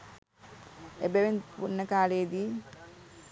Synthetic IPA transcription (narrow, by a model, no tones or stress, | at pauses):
ebeʋenpunːəkaːleːd̪i